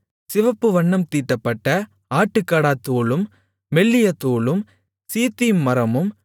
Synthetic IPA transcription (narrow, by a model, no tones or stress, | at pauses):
sɪʋɐpːɯʋɐɳːɐmt̪iːʈːɐpːɐʈːɐ | aːʈːɯkːaːɽaːt̪ːoːɭɯmː | ɛɭːɪjɐt̪ːoːɭɯm | siːt̪ːimːɐɾɐmɯm